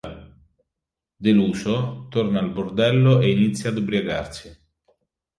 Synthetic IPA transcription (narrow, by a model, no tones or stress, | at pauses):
d̪eluːsot̪ornaːlbʊrd̪ɛlːoeinit̪sːjad̪ubɾjaɡa̰rsi